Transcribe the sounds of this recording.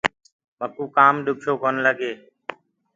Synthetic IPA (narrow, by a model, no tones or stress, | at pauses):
məkuːkaːmɗʊkʰjoːkonləɡeː